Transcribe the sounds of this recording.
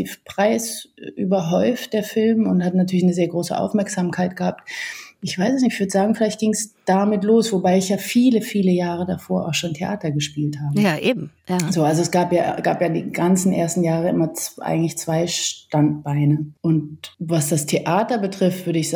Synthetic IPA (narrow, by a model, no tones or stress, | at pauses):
iːfpʁ̥aɪsʔy̰ːbɐɦɔʏft̚d̥eːɐfɪlmʊnthatnatʰyːɐlɪçnəzeːɐɡʁoːsə̰ʔa̰ʊfmɛɐkz̥amkʰaɪt̚ɡ̥əhaːp̚tʔɪçv̥aɪsɛsnɪv̥ʏɐdəz̥aːɡŋ̩fɪlaɪçtɡ̥ɪŋsd̥amɪtloːsv̥obaɪɪçjaːfiːləfiːləjaːʁ̞ədafoːɐʔa̰ʊxʃoːntʰeʔaːtɐɡəʃpiːlthaːbəjaʔeːbm̩jazoːʔalzoɛsɡ̥aːpja̰ːɡ̥a̰ːpjaːdḭːɡant͡sn̩ʔeːɐstn̩jaːʁ̞əʔɪmɐt͡sʔa̰ɪɡŋ̩tlɪçt͡sv̥aɪʃtant̚b̥aɪnəʔʊntvasd̥astʰeʔaːtɐbətʁ̥ɪftv̥ʏɐɾəɪçz̥